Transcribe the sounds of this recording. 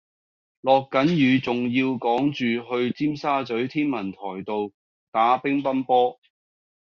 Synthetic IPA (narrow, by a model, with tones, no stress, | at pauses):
lɔː˨kːɐ˨˥njyː˨˧t͡sʊ˨ŋjiː˧wkɔː˨˥ŋt͡ʃyː˨ɦɵ˧ɥt͡siː˥msaː˥t͡sɵ˨˥ɥt̪ʰiː˥nmɐ˨˩nt̪ʰɔː˨˩jt̪o˨w | t̪aː˨˥pɪ˥ŋpɐ˥npɔː˥